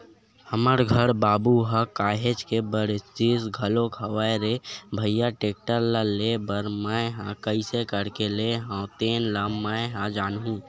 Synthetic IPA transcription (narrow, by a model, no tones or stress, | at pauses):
həməɾɡʱəɾbaːbuɦakaːɦet͡ʃkebəɾɪst͡ʃisɡʱəlokʰɐwaːɾebʱəjːaʈeːk̚ʈəɾlalebəɾmaeɦãkəisekəɽkeleɦãt̪eːnlammːaːeɦãd͡ʒaːnɦũː